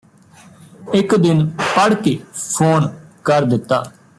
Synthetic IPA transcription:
ɪkd̪ɪnpəɽkeːpʰoːnkəɾd̪ɪt̪ːaː

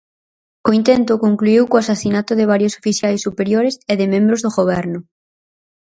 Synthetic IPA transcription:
oint̪ent̪ʊkoŋkluiwkoasasinat̪ʊðɪβ̞aɾjoso̥fiθjajsːupeɾjoɾɪseðɪmẽmbɾozðʊɣoβ̞ɛɾnʊ

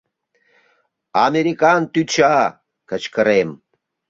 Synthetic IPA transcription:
ameɾikant̪yt͡ʃa | kət͡ʃkəɾem

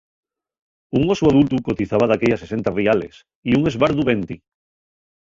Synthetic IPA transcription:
uŋosuað̞ult̪ukot̪iθaβaðakeʎasese̞nt̪ariale̞̰s | iuŋe̞zβaɾðuβent̪i

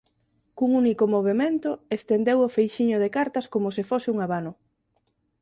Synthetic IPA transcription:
kuŋunikomoβ̞emẽnt̪ʊest̪end̪ewofejʃiɲʊðekaɾt̪ɐskomosɪfosɪuŋaβanʊ

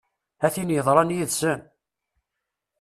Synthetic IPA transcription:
æθinjəðˤɾˤɑnjiðsən

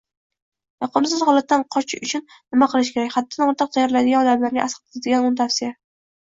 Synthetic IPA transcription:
jɒqʰʊnsɪz̥hɒlˠat̪ːanqʰɒt͡ʃʰɪʊt͡ʃʰʊn | nɪmaqʰɨlˠɪʃ̬kʲʰeakʲhat̪̚ːanɒɾt̪ʰɨq̚t̪ʰajɒɾlad̪ɪɡʲanɒd̪amlaɾnɪʔasqt̪ɪ̥t̪ad̪ɪɡʲanʊnt̪ʰafsɪja

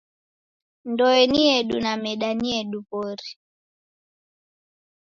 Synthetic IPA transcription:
ndɔɛniɛɗunamɛɗaniɛɗupɔɾi

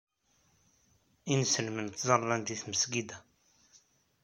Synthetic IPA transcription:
insəlmənt̪zˤɑɾˤlænd̪iθməsɡid̪æ

